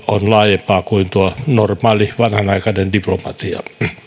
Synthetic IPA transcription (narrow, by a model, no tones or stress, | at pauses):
onlɑːjempɑːkuint̪uonormɑːliʋɑnhɑnɑikɑnendiplomɑt̪iɑ̰